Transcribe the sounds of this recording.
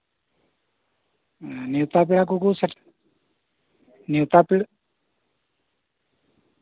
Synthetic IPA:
niwt̪ap̬iɽak̬ukusəʈ | niwt̪apiɽ

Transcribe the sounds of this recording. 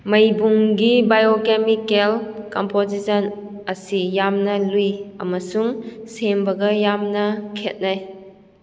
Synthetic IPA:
mɐjbuŋɡibajokemikelkɔmpozisɔn | ɐsijamnɐlujɐmɐsuŋsembɐɡɐjamnɐkʰet̚naj

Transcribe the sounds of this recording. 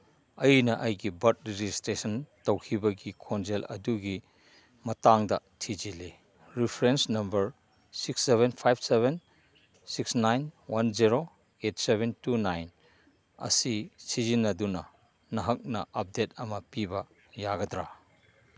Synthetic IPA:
ɐjnɐʔɐjɡibɐt̚ɾed͡ʒistɾesɐntowkʰibɐɡikʰond͡ʒelɐ̰duɡi | mɐtaŋdɐtʰid͡ʒili | ɾipʰɾensnɐmbɐɾ | siksːeβenpʰajbseβen | siksnajnwanziɾo | et̚sebentunajn | ɐ̰sisizinːɐdunɐ | nɐɦɐk̚nɐ̰ʔɐp̚det̚ɐmɐpibɐ | jaɡɐdɾa

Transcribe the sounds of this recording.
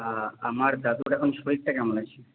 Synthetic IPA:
a̰maɾd̪at̪uuʈɛkʰonʃpoɾik̚ʈakɛmolat͡ɕʰi

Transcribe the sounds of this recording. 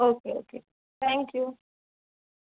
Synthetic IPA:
okeo̰kʰe | t̪ʰɛ̃ŋkʰju

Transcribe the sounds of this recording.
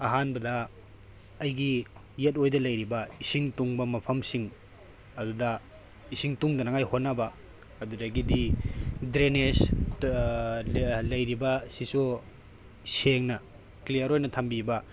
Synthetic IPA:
ɐɦanbɐdɐː | jɡiː | et̬ojdɐlɐjɾibɐisiŋtuŋbɐmɐpʰɐmsiŋ | ɐdudɐ | isiŋtuŋdɐnaŋajhonːɐbɐ | ɐdudɐɡididɾenes | lɐjɾibɐsisu | seŋnɐ | klijɐɾojnɐtʰambibɐ

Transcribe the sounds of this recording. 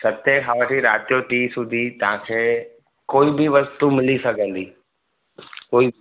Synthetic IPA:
sɐt̪ẽɦaːʋʈʰiɾaːt̪ijoʈiːsʊ̃d̪ʱit̪ɐɦãkʰeː | koːibɪʋɐst̪umɪlisɐɡʱə̃nd̪iː | koːi

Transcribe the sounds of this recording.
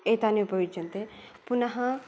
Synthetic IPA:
et̪anẽʊpəʋɪd͡ʒənt̪epʊnaɦã

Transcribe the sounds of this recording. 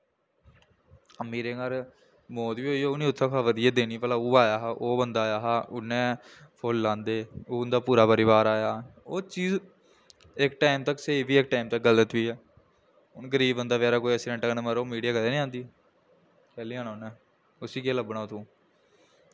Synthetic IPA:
miːɾeːŋəɾ | moːt̪ʋiːoːiːoʊniːʊt̪ʰːãːkʰaːʋəd̪ɪijaːd̪eːñiːpəlaːuːaːjaːɦaːʔoːbənd̪aːjaːɦaːʔʊnːɛ̃ːpʰoːllãːnd̪eːoːʊnd̪aːpuːɾaːpəɾɪʋaːɾaːjaːoːt͡ʃiːz | ɪkʈaːɪmt̪əkːsəiːʋiːɪk̚ʈaːɪmt̪əkɡələt̪ʋiːɛː | ʊnɡəɾiːbənd̪aːʋɛːɾaːkoːiəsiːɖə̃ɳʈːknẽːməɾoːmiːɖijaːkəleːnĩːãːnd̪iː | kɛːliːãːnaːʊnɛ̃ː | ʊsiːkeːləbnaːʊt̪ʰõː

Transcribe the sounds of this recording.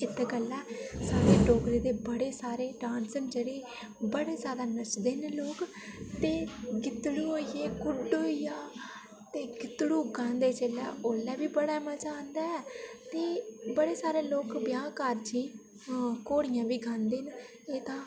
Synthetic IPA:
ɪt̪ʰːeːɡəlːɛːsaːɾeːɖoːkɾeːd̪eːbəɽeːsaːɾeːɖãːnsənd͡ʒeːɽeː | bəɽeːzjaːd̪aːnət͡ʃd̪eːnloːk | t̪eːɡɪt̪ɽuːoːijeːkʊɖoːijaː | t̪eːɡɪt̪ɽuːɡãːnd̪eːt͡ʃeːlɛ̰ːʔoːlɛːbiːbəɽaːmət͡ʃaːnd̪aːɛːt̪eːbəɽeːsaːɾeːloːkbɪjãːkəɾd͡ʒĩː | koːɽɪjãːʋiːɡʱãːnd̪eːn | eːt̪ãː

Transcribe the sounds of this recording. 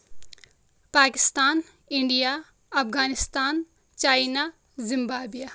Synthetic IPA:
paːkɪst̪aːn | ɪɳɖijaː | ɐfɡaːnɪst̪aːn | t͡ʃaːinaː | zɪmbaːbijaː

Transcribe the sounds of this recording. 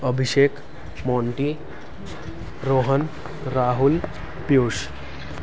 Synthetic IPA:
əbʱiʃek | mɔɳʈi | ɾoɦən | ɾaɦul | pjoʂ

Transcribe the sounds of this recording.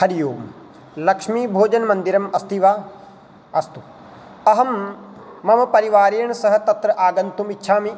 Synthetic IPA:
hɐɾijoːm | lɐkʂmiːbʱoːd͡ʒɐnmɐnd̪iɾɐmɐst̪iʋaː | ɐst̪u | ɐɦɐmː | ɐmɐpɐɾiʋaːɾejːɳɐsɐɦɐ̆t̪ɐt̪ɾɐʔaːɡɐnt̪umitːʃʰaːmi

